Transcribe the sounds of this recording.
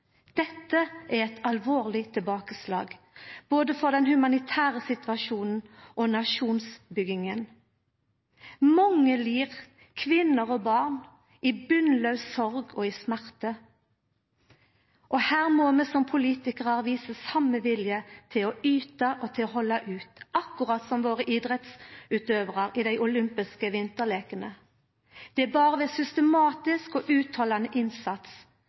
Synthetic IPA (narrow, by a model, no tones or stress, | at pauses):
d̪̥ɛt̪ːəʔæʁɛt̪ʰɑlʋoːʁlɪt̪ʰɪlbɑːkəslɑ̰ːɡ | b̥oːd̪əfɔʁd̪ɛnhʉmɑnɪt̪ʰæːʁəsɪt̪ʋɑʃuːnn̩ʔɔnɑʃuːnsbʏɡɪŋən | mɔŋəliːʁ | kʰʋɪnːəʁɔbɑːʁn | ʔɪbʉnlɑʉsɔʁɡɔɪsmæʁt̪ə | ʔɔhæːʁmɔmɛsɔmpʰʊliːt̪ɪkəʁɑʁʋiːsəsɑmːəʋɪljət̪ʰɪlɔyːt̪ɑʔɔt̪ʰɪlɔhɔlːɑʔʉːt̪ʔɑkːʊʁɑt̪sɔmʋoːʁəʔiːd̪ʁɛt̪sʉːt̪øːʋʁɑʁɪd̪æɪʔʊlʏmpɪskəʋɪnt̪əʁleːkənə | d̪̥ɛæbɑːʁəʋɛsʏst̪ɛmɑːt̪ɪskɔʔʉːt̪ʰhɑlɑnəʔɪnsɑt̪s